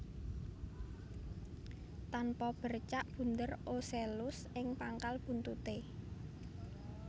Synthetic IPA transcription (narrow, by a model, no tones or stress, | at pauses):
t̪anpɔb̥ə̤rt͡ʃaʔb̥ṳnd̪ərʔoselʊsʔɪŋpaŋkalb̥ṳnt̪ut̪e